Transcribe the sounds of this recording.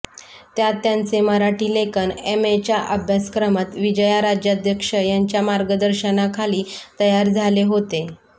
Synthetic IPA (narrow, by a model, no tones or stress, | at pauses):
t̪jat̪ːjant͡seməɾaʈiːlekənemet͡ɕjaʔəbʱjaskɾəmət̪ʋid͡ʑəjaɾad͡ʑjad̪ʱjəkʂəjaɲt͡ɕjamaɾɡəd̪əɾɕənakʰaliːt̪əjaɾd͡zʱaleɦot̪e